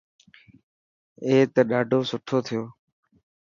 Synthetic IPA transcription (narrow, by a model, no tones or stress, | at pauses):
eːt̪əɗaːɖʱoːsʊʈʰoːt̪ʰɪjoː